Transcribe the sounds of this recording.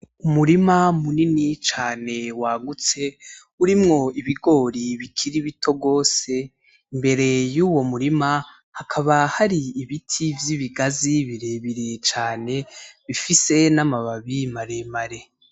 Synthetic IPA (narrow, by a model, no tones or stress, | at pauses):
umuɾimamuninit͡ʃaːne̞waːɡut͡se̞ | uɾimŋo̞iβiɡo̞ːɾiβikʰiɾiβitʰo̞ɡo̞ːse̞ | imbe̞ɾe̞juːwo̞muɾima | hakʰaβahaɾiiβitʰivjiβiɡaziβiɾe̞βiɾet͡ʃaːne̞βifise̞namaβaβimaɾe̞maɾe̞